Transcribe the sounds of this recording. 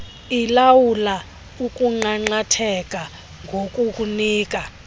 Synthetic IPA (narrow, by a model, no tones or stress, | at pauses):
ilawula | ukʼuŋ͡ǃaŋ͡ǃatʰɛkʼa | ŋɡʱokʼukʼuniːkʼa